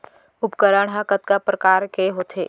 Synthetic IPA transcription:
ʊpkəɾəɽ̃ɦakət̪kapɾəkaːɾkeɦoːt̪ʰeː

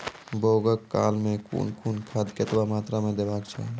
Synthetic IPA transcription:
boːɡəkːaːlmẽkʰṵːnkʰuːnkʰaːd̪ket̪bamaːt̪ɾamẽd̪ebaːkt͡ʃʰɛ̰

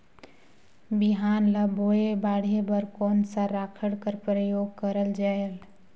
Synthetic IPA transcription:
biɦaːnləboebaɽ̤ebəɾkɔːnsaɾakʰəɽkəɾpɾəjoːɡ̚kəɾəld͡ʒael

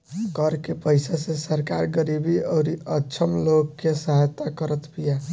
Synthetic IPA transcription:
kəɾkepəjsasesəɾkaɾɡəɾibiəʊɾiəːt͡ʃʰəmlokːesəɦajt̪akəɾət̪pija

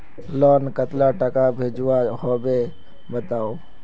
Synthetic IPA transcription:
lɔːnkət̪laʈəkabʱed͡ʒwahobe | bət̪aːo

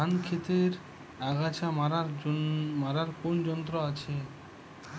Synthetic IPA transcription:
ankʰet̪eɾ | aɡʱat͡ɕamaɾaɾmaɾaɾkond͡ʑɔnt̪ɾoat͡ɕʰe

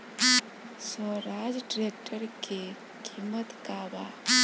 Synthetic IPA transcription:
sɔɾaːd͡ʒɖɾek̚ʈʰəɾke | kʰimːət̪kaːba

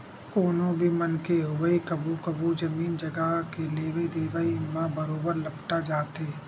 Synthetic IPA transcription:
koːnõbʱimɐnkeɦʊwəikɐbukɐbud͡ʒɐmiːnd͡ʒɐɡəkeleːʋid̪eːʋəimãbɐɾoːbəɾlɐpʈad͡ʒaːt̪eː

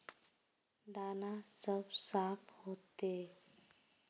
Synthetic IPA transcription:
d̪anasəbsapʰhot̪e

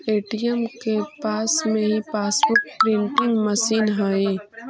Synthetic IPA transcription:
eːʈijəmkepaːsmẽɦipaːsbʊɾʈpɾɪ̃ɳʈɪ̃ŋɡməsiːnɦaːi

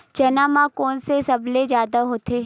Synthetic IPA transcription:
d͡ʒɐnaːmãkɔːnsesɐblezjaːd̪aɦoːt̪eː

